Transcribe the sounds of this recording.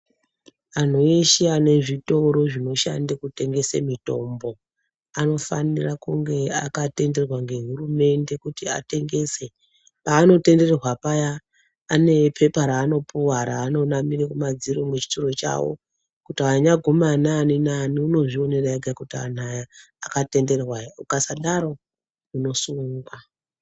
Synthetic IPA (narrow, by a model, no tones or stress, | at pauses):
an̤oeʃeane̞ʐito̞ɾo̞ʐino̞ʃa̰ndekute̞ŋɡe̞sḛmito̞̰mbo̞ | ano̞fa̰nirakuŋɡe̞a̰kate̞nde̞rwaŋɡe̞ɦurume̞nde̞kutia̰te̞ŋɡe̞se | paːno̞te̞nde̞rerwapajaː | ne̞pʰe̞paɾaːno̞pʰuwaɾaːno̞namirikumad͡ziɾomet͡ʃi̥turo̞t͡ʃa̰wo̞̰ | kutiaɲaɡʱumananinaniuno̞ʐio̞ne̞raeɡʱakutia̰naja | akate̞nde̞rwaukasaɗaɾo̞ | uno̞suːŋɡwa